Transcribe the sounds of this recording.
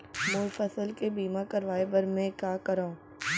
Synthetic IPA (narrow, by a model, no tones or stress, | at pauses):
mʊlfəsəlkebiːmakɐɾʋaːebɐɾmɛ̃kaːkɐɾaːũ